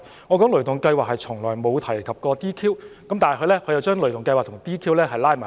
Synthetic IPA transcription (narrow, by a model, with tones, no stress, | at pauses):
ŋɔː˨˧kɔː˨˥ŋlɵ˨˩t̪ʊ˨˩ŋkɐ˧jwaː˨k̚hɐ˨jt͡ʃʰʊ˨˩ŋlɔː˨˩jmo˨˧wt̪ʰɐ˨˩jkʰɐ˨p̚kɔː˧t̪iː˥kʰiː˥wkɐ˨˥mt̪aː˨n˨˩kɵ˨˧lɛː˥kʰɵ˨˧jɐ˨˧wt͡ʃœː˥ŋlɵ˨˩t̪ʊ˨ŋkɐ˧jwaː˨k̚t̪ʰʊ˨˩ŋt̪iː˥kʰiː˥wlɛː˥ɦɐ˨jlaː˥jmaː˨˩